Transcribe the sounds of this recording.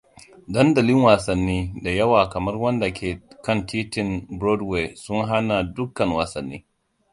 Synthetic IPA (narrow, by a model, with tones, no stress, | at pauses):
dɐ˦ndɐ˨lɪ˦ŋwaː˨sɐ˨nːiː˦da˨jɐ˦waː˨kɐ˨mɐ˦rwɐ˦nda˨kʰʲeː˨kɐ˦ntiː˦tɪ˦˨nbɾɔ˦dwe˨sʊ˦ŋɦa˦na˨dʊ˦kːɐ˨ŋwaː˨sɐ˨nːḭː˦